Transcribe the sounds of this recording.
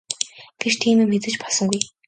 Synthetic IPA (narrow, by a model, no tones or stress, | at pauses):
ɡ̥et͡ɕt̪ʰiːmɘ̆mmet͡sɘ̆t͡ɕpɔɮsɞ̆ŋɡuj